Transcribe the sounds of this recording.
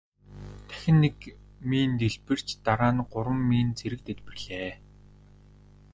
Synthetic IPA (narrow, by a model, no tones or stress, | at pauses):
t̪ʰæ̥xʲɪ̆nːek | miːnt̪eɮpɘ̆r̥t͡ɕt̪aɾaːnɢʊɾwə̆mːiːnt͡sʰeɾɘ̆k̚t̪et̪pɘ̆rɮeː